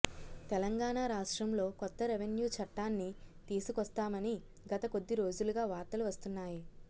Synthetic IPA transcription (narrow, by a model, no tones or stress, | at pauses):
t̪ɛlɐŋɡaːɳaːɾaːʂʈɾɐmlo̞ːkɔt̪ːɐɾeʋenjuːt͡ʃɐʈːaːnːit̪iːsukɐst̪aːmɐni | ɡɐt̪ɐko̞d̪ːiɾo̞ːd͡ʒuluɡaːʋaːɾt̪ɐluʋɐst̪unːaːji